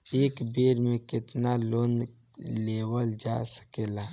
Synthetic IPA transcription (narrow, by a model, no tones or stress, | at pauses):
eːkbeːɾmẽkɪt̪naloːn | leːwəld͡ʒa̰sə̥keːlaː